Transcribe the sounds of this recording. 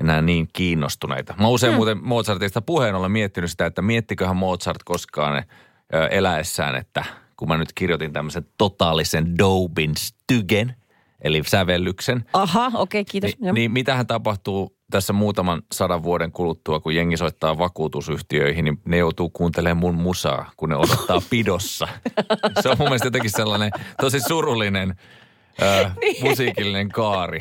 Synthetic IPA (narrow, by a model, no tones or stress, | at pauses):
enæːniːŋkiːnːost̪unḛit̪ɑmɑuseimmuːt̪emmoːt̪sɑrt̪eisit̪æpuheinolemiet̪ːinysit̪æet̪ːæmiet̪ːikøhæmmoːt̪sɑrt̪koskɑ̰ːnḛ | øʔelæesːæ̰ːnḛt̪ːækumænyt̪kirjot̪int̪æmːøsent̪ot̪ɑːlisendoubinst̪yɡen | ʔelisæʋelːyksenɑhɑokeikiːt̪oiniːmmit̪æhænt̪ɑpɑht̪uː | t̪æsːæmuːt̪ɑmɑnsɑdɑʋʋuodeŋkulut̪ːuɑkujjeŋːisoit̪ːɑːʋɑkuːt̪usyht̪iø̰ihininejout̪uːkuːnt̪eleːmmummusɑ̰ːkunḛodot̪ːɑːpidosːɑ | seomumːelst̪jot̪ekisselːɑnet̪osisurulːinen | əːmusiːkilːineŋkɑːri